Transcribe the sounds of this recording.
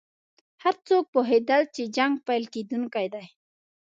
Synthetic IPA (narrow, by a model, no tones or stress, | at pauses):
haɾt͡sok̚poɦed̪alt͡ʃed͡ʒaŋɡ̚pajlked̪ʊŋkajd̪aj